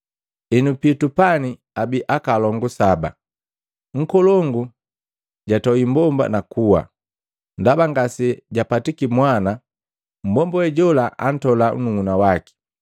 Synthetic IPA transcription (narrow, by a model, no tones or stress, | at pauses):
ɛnupitupani | abiʔakalɔŋɡusaba̰ | ŋ̩kɔlɔŋɡu | ɟatɔimbɔmba̰nakuwa̰ | ndabaŋɡasɛɟapatikimwana | m̩bɔmbɔɛɟɔlaʔa̰n̩tɔlaṵnuŋunawaki̥